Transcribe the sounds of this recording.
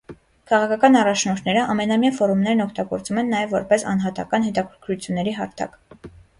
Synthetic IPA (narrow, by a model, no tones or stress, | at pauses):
kʰɑʁɑkʰɑkɑnɑrɑt͡ʃʰnɔɾt̪ʰnɛɾəʔɑmɛnɑmjɑfɔɾumnɛɾnɔkʰt̪ɑɡɔɾt͡sumɛnːɑjɛvːɔɾpɛsɑ̰nɦɑt̪ɑ̰kɑnɦɛt̪ɑkʰəɾkʰɾut͡sʰjunːɛɾiɦɑɾt̪ʰɑ̰k